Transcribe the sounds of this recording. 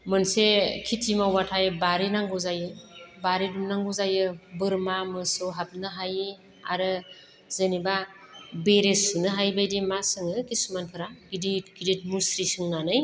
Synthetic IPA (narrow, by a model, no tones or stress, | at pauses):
mɯnsekʰitʰimawatʰajbaɾinaŋɡɯzajɯbaɾidumnaŋɡɔzajɯbɯɾmamɯsɔɦap̚nɯɦaji | a̰ɾɯ | zeniba | beɾesunɯɦajbajdimasɯŋɯkʰisumankʰɯɾaɡidiɡidit̚musɾisɯŋnanɯj